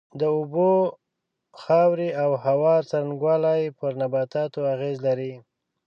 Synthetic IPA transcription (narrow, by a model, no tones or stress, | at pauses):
d̪əubo | xɑwɾiawhawɑɾt͡saɾanɡwɑlajpəɾnabɑt̪ɑt̪oaɣezlaɾi